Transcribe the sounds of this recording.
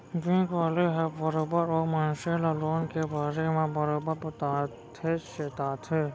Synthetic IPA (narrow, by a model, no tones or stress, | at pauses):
ɡĩːkʋaːleɦɛbbɐɾoːbəɾoːmanʃelɐloːnkebaːɾemẽbɐɾoːbəɾbɐt̪aː | t̪ʰeːʃet̪aːt̪ʰeː